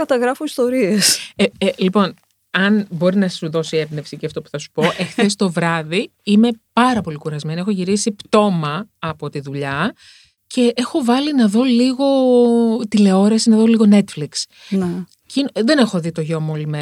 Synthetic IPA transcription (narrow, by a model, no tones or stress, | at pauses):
kɐt̪ɐɣɾɐfoist̪o̞ɾieseelipo̞n | ɐnbo̞ɾinɐsuðo̞sie̞bne̞fsiceɐft̪o̞pu̥θɐsu̥po̞ʔe̞xθe̞st̪o̞vɾɐði | ime̞pɐɾɐpo̞likuɾɐzme̞niexo̞ʝiɾisipt̪o̞mɐːpo̞t̪iðuʎɐ | ce̞ʔexo̞vɐlinɐðo̞liɣo̞t̪ile̞o̞ɾɐsinɐðo̞liɣo̞ne̞t̪fliks | n | cinðe̞ne̞xo̞ðit̪o̞ʝo̞muolime